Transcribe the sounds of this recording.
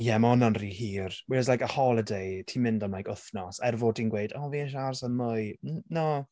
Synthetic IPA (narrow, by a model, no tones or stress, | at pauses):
jɛmaɔnanrihiːrwislajkəhɔlˠədejtʰiːmɪndɔnlajkʰʊθnɔsɛrvoːdinɡwejdɔːviɛʃ̬arsənmʊjnɔ